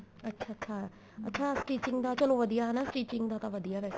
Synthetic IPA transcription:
ɐtːt͡ʃʰatt͡ʃʰa | ɐ̰tːt͡ʃʰasʈit͡ʃiŋd̪ɐt͡ʃolobɐd̪ijanɐsʈit͡ʃiŋd̪ɐt̪ɐbɐd̪ijabe

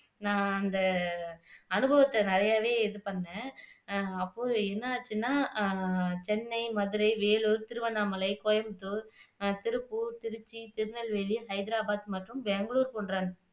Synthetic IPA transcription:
nãːɐnd̪ɐ | ɐnɯbɐʋɐt̪ːɐnɪɾɐjaːʋeːɛðɯpɐɳːẽː | ɐpːoːɛnːɐːt͡ʃːɯnːaː | t͡ʃɛnːɐɪmɐðɯɾɐɪʋeːɭuːɾt̪ɪɾɯʋɐnaːmɐlɐɪkoːjɐmt̪oːɾt̪ɪɾɯpːuːɾt̪ɪɾɯt͡ʃːit̪ɪɾɯnɐlʋeːliɦɐɪðɪɾaːbaːðmɐʈrɯmbɛŋɡɐɭuːɾpoːɳːɾeːn

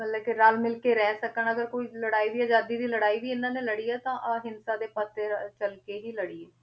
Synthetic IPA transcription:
mət̪lɛːkeɾaːlmɪlkeːɾɛːsəkəɳəɡəɾkoːiːləɽaːiːʋiːɛːd͡ʒaːd̪iːd̪iːləɽaːiːʋiːɪnːãːneːləɽiːɛːt̪ãːʔɦɪnsãːd̪eːpət̪ːeːt͡ʃəlkeːɦiːləɽiːɛː

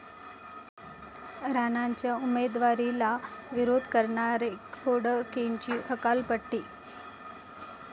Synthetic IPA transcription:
ɾanaɲt͡ɕjaumed̪ʋaɾilaʋiɾod̪ʱkəɾɳaɾekʰoɽəkiɲt͡ɕiːʔəkalpəɽːiː

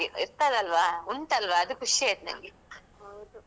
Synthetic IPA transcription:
iɾt̪ɐd̪ɐlʋaːunt̪ɐlʋaɐd̪ukuʂieːt̪nɐ̰ŋɡi

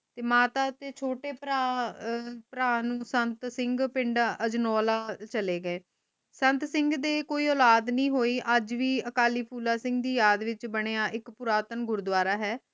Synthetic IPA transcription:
t̪eːmaːt̪aːt̪eːt͡ʃʰoːʈeːpɾaː | pɾaːnũːsənt̪sɪ̃ŋɡpɪɳɖʔəd͡ʒnɔːlaːt͡ʃəleːɡəeː | sənt̪sɪ̃ŋɡd̪eːkoːiːɔːlaːd̪nĩːɦoːiːʔəd͡ʒʋiːəkaːliːpʰuːlaːsɪ̃ŋɡd̪iːjaːd̪ʋɪt͡ʃbəɽ̃eːaːʔɪkpʊɾaːt̪ənɡʊɾd̪ʋaːɾaːɦɛː

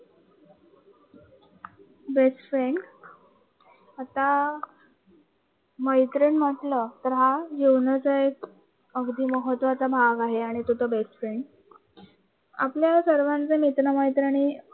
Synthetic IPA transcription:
besʈfɾeɳɖ | at̪a | məjt̪ɾəɳm̤əʈlət̪əɾɦajewnət͡səek | əɡd̪iːməɦət̪ʋat͡sabʱaɡaɦeaɽ̃it̪ut̪ʰəbesʈfɾeɳɖ | a̰pljasəɾʋãnt͡semit̪nəməjt̪ɾəɳi

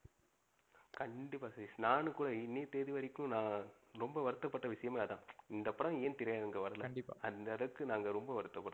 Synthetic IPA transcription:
kɐɳɖɪpːaːsɐɾinaːnɯkuːɽɐɪnːit̪eːðiʋɐɾɪkːʊ̃nãː | ɾɔmbɐʋɐɾɯt̪ːɐpːɐʈːɐʋɪʂɐjɐmeɐðãːɪnd̪ɐpːɐɽɐ̃eːnt̪ɪɾɪjaːðɯŋɡɐʋɐɾɐlɐɳɖɪɐnd̪ɐðɐkːɯnaːŋɡɐɾɔmbɐʋɐɾɯt̪ːɐpːɐɽ

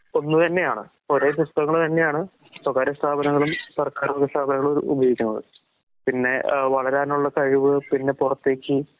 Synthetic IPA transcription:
o̞nːut̪ɐnːe̞jaːɳɨ̰ | oɾeːpust̪ɐŋːɐɭt̪ɐnːe̞jaːɳɨ | swɐɣaːɾɐst̪ʰaːbɐnɐŋːɐɭumsɐrkaːrmɐɣɐst̪ʰaːbɐnɐŋːɐɭoɾṵubɐjoːikʲːunːɐ̰ðɨ̰ | pinːe̞ʋɐɭɐɾaːnuɭːɐkɐɻiʋɨpinːe̞purɐt̪ːe̞ːkʲːɨ

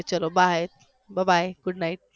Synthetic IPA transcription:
t͡ɕəlobaɦet̪̚ | babajɡ̥uɖnaiʈ̚

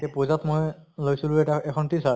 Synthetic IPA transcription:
ɛpuzatmojlojsulʊ̃ɛtaɛkʰɔntisa

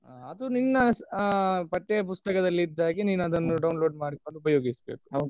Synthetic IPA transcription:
a̰ɐd̪uninːɐ | pɐʈːejɐp̬ust̪ɐkɐd̪ɐlːiiːd̪ːaːɡeniːnuɐd̪ɐnːuɖɐwnloːɖmaːɽikoɳɖuupɐjoːɡist̪ḛːd̪u

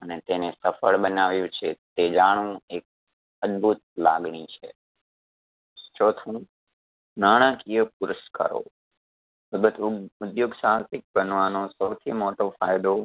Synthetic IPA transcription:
ənet̪enesəfəɭɓənaʋjũt͡ʃʰet̪ed͡ʒaɽ̃ũek̚ | əd̪̚bʱut̪̚la̰ɡɳ̃it͡ʃʰḛ | t͡ʃoːt̪ʰũ | naɽ̃əkijəpʊɾəskə̰ɾo̰ | əbət̪ʊd̪joːɡsãsɪk̚bənʋanõsəwt̪ʰimɔʈofajd̪o

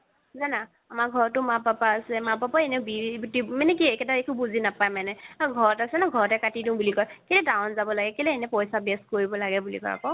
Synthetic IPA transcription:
zana | amaɡʱɔɹɔtːʊmapapaːsɛmapapaenɛʊbibutimanɛk̬iɛkɛtaekubuzinapajmanɛaɡʱɔɹɔtasɛnaɡʱɔɹɔtɛkatidũbulikɔjkelɛdawnzabɔlaɡɛkelɛːnɛpɔjsabɛskoɹibɔlaɡɛbulḭkɔ̰ɹa̰kɔ

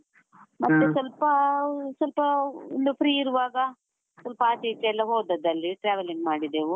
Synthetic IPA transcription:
mɐt̪ːesɐlpɐsɐlpɐɔ̰nd̪upʰɾiːiɾuʋaːɡɐ | sɐlpɐaːt̪iːt͡ʃɛɛlːɐɦoːd̪ɐd̪ɐlːiʈɾaːʋeliŋɡmaːɽid̪eːʋu

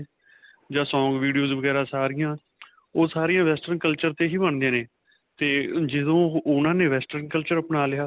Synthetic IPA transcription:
d͡ʒaːsɔ̃ːŋɡʋiːɖijoːzʋəɡɛːɾaːsaːɾɪjãː | oːsaːɾijãːʋɛːsʈəɾnkəlt͡ʃəɾt̪eːɦiːbəɳd̪ãːneː | t̪eːd͡ʒɪd̪õːʊnãːneːʋɛːsʈəɾnkəlt͡ʃəɾəpnaːlɪɦaː

